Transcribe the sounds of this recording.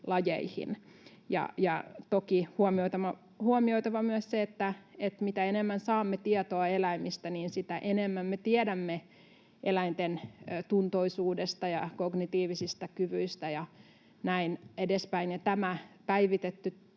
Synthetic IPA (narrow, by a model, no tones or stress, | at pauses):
lɑjḛihḭnjɑ̰jɑ̰t̪okihuomiot̪ɑmɑ | huomioit̪ɑʋɑmyəsseet̪ːæet̪mit̪æenemːænsɑːmːet̪iɛt̪oɑelæimist̪æniːnsit̪æʔenemːæmːet̪iedæmːe | ʔelæint̪enːt̪unt̪oisuːdest̪ɑjɑkoɡnit̪iːʋisist̪ækyʋyist̪æjɑ | næinedespæinjɑt̪æmæpæiʋit̪et̪ːy